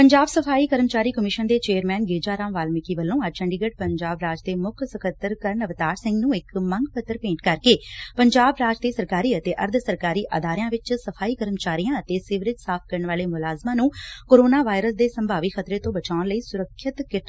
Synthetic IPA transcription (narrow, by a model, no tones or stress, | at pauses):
pəɲd͡ʒaːbsəpʰaːiːkəɾəmt͡ʃaːɾiːkəmɪʃənd̪eːt͡ʃeːəɾmɛːnɡeːd͡ʒaːɾãːmʋaːlmɪkiːʋəlːõːəd͡ʒt͡ʃəɳɖɪɡəʈ̚pəɲd͡ʒaːbɾaːd͡ʒd̪eːmʊkʰsəkʰət̪ːəɾkəɾənəʋt̪aːɾsɪ̃ŋɡnũːɪkməŋɡpət̪ːəɾpẽːɳʈkəɾkeːpəɲd͡ʒaːbɾaːd͡ʒd̪eːsəɾkaːɾiːət̪eːʔəɾd̪ʱsəɾkaːɾiːʔə̰d̪aːɾɪjãːʋɪt͡ʃsəpʰaːiːkəɾəmt͡ʃaːɾijãːət̪eːsɪʋɾɪt̪saːp̚ʰkəɾəɳʋaːleːmʊlaːzmãːnũːkoːɾoːnaːʋaːɪɾəsd̪eːsəmbʱaːʋiːxʰət̪ɾeːt̪õːbət͡ʃaːʊnləiːsʊɾəkʰːət̪kɪt̪